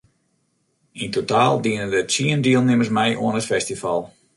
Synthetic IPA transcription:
intotaːlˠdiənəndətsiəndiəlˠnɪmərsmɛjʔoənɦətfɛstifalˠ

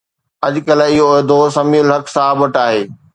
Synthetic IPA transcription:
ɐʄkɐlɪɦoːd̪osɐmiːʊlɦɐksaːaːbɐʈaːɦeː

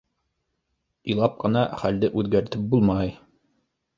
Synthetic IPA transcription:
ĭjlˠɑp̚qɤ̆nɑχæld̪ɘʔʉðɡæɾt̪ɘp̚bulˠmɑj

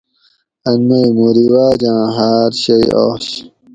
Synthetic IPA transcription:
ɐnmɐjmuɾiwaːd͡ʑãːɦaːɾɕɐjo̰ːɕ

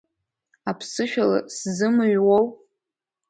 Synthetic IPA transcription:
apʰsɨʃᶣala̰szɨmɨɥwow

